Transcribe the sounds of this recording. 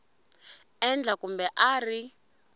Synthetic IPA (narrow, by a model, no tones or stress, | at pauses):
ɛnd͡ɮakumbɛʔaːri